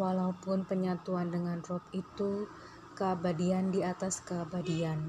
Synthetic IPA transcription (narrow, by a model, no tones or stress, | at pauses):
walaupʊnpəɲat̪uandəŋanrɔpit̪u | kəbadiandiat̪askəbadian